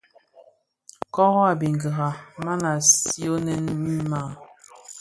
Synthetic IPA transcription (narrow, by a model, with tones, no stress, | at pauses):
kɔ˦ɣɔ˦a˨bi˨ŋɡə˨ɣa˨ma˦na˨si˦o˦nɛ˦n˦mi˦ma˦˨